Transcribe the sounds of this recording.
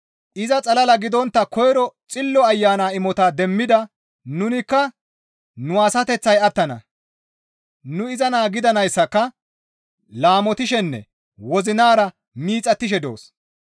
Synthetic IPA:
ʔɪzɐt͡sʼɐlɐlɐɡɪd̪ɔnt̪ːɐkɔjɾɔt͡sʼɪlːɔɐjːaːnaːɪmɔt̪aːd̪ɛmːɪd̪ɐ | nʊnɪkːɐ | nʊaːsɐt̪ɛt͡sːɐjɐt̪ːɐnɐ̰ | nʊɪzɐnaːɡɪd̪ɐnɐjsːɐkːɐ | laːmɔt̪ɪʃɛnːɛ̰ | wɔzɪnaːɾɐ | miːt͡sʼɐt̪ːɪʃ̬ɛd̪o̰ːs

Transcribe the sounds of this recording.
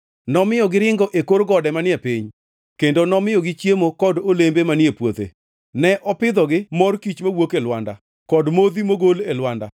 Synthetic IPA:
nɔmɪjɔɡɪɾɪŋɡɔʔekoɾɡɔdɛmanɪɛpiɲ | kendonɔmɪjɔɡɪt͡ʃjemokɔdolembemanɪepwot̪ḛ | nɛʔɔpɪd̪ɔɡɪmɔrkit͡ʃmawokelwanda̰ | kɔdmod̪imoɡolelwanda̰

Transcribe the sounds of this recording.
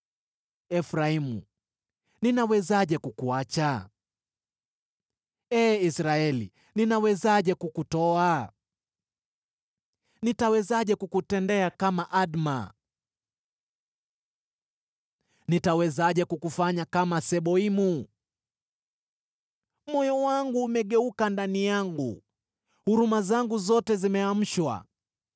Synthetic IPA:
ɛfɾaimṵ | ninawɛzaʄɛkukuat͡ʃa | ɛːisɾaɛlḭ | ninawɛzaʄɛkukutɔa | nitawɛzaʄɛkukutɛndɛakamaʔaɗma̰ | nitawɛzaʄɛkukufaɲakamasɛɓɔimu | mɔjɔwaŋɡuːmɛɠɛukandanijaŋɡṵ | huɾumazaŋɡuzɔtɛzimɛam̩ʃwa̰

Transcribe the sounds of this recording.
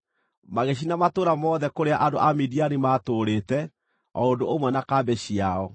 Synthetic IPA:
maɣeɕ̬inamatoɾamɔːðɛkoɾeaʔandoʔamidianimaːtoɾetɛ | ɔ̰ondoomwɛnakabɛɕiaɔ

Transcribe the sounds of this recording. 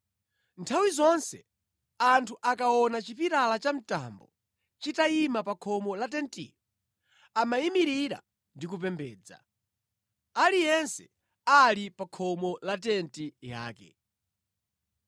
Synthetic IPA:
ntʰawizɔnsɛ | antʰuʔakaɔnat͡ʃipiɾalat͡ʃam̩ta̰ːmbɔ̰ | t͡ʃitaimapakʰɔmɔlatɛntḭɔ | amaimiɾiɾa̰ | ndikupɛmbɛːd͡za̰ | alijɛnsɛ | alipakʰɔmɔlat̬ɛntija̰ːkɛ̰

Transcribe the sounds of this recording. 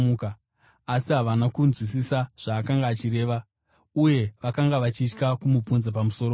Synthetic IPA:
ukaː | siɦaʋanakunzwisisaʐ̥aːkaŋɡaːt͡ʃiɾe̞ːʋa | uje̞ʋakaŋɡaʋat͡ʃit͡ʃkakumub͡vunzapamuso̞ːro

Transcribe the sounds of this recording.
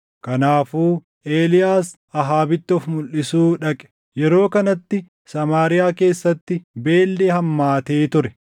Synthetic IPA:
kɐnaːfuː | eːlɪjaːs | ɐɦaːbɪt̪ːɔfmʊlʔɪsuːᶑɐkʼɛ̥ | jɛɾo̞ːkɐnɐt̪ːɪ | sɐmaːɾɪjaːke̞ːsːɐt̪ːɪbe̞ːlːehɐmːaːt̪eːt̪ʊɾɛ

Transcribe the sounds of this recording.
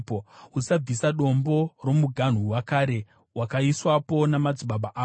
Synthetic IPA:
ousab͡visaɗo̞mbo̞ro̞muɡʱan̤uwakaɾe̞ | wakaiswapo̞namad͡ziɓaɓaʔaː

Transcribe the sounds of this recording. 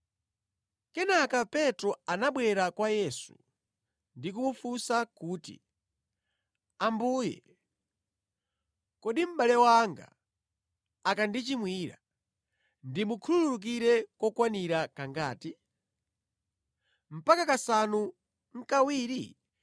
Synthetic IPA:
kɛnakapɛtɾɔanaɓwɛɾakwajɛsu̥̰ | ndik̬umufusakuːtḭ | ambuːjɛ̰ | kɔɗim̩ɓalɛwaŋɡa̰ | akandit͡ʃimwiːɾa | ndimukʰulululuk̬iɾɛkɔkwaniɾakaŋɡaːti | m̩pakakasanu | ŋ̩kawiːɾi

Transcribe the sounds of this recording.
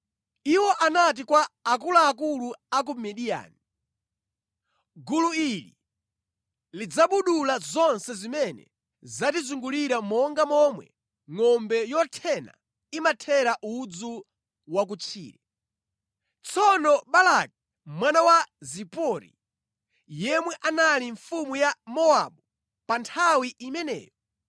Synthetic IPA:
iwɔʔanat̬ikwaakulaːk̬uluak̬umɛɗija̰ːni | ɡuluilḭ | lid͡zaɓuɗulazɔnsɛzimɛnɛ̰ | zatizuŋɡuliɾamɔŋɡamɔmwɛ̰ | ŋɔmbɛjɔtʰɛna̰ | imatʰɛɾaʔud͡zu | wak̬ut͡ʃʰḭːɾɛ | t͡sʰɔnɔɓalak̚i̥ | mwanawazipɔɾḭ | jɛmwɛʔanaliɱfumujamɔaɓu | pantʰawiʔimɛnɛ̰ːjɔ

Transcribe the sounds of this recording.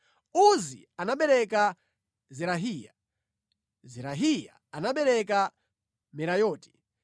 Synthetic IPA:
uzḭ | anaɓɛɾɛka | zɛɾaɦiːja̰ | zɛɾaɦija̰ | anaɓɛɾɛka | mɛɾajɔːti̥

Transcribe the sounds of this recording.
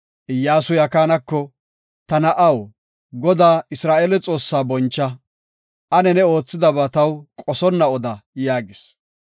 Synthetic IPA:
ʔɪjːaːsʊjɐkaːnɐkːɔ | t̪ɐnɐʔɐw | ɡɔd̪aːɪsɾaːʔeːlɛt͡sʼo̞ːsːaːbɔnt͡ʃːɐ | ʔɐnɛnɛo̞ːt͡sːɪd̪ɐbaːt̪ɐwkʼɔsɔnːɐɔd̪ɐjaːɡɪs

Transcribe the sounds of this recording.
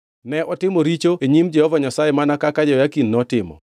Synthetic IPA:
nɛʔɔtɪmoɾit͡ʃoeɲimd͡ʒɛhɔvaɲasajemanakakad͡ʒɔjakinːɔtɪmɔ̰

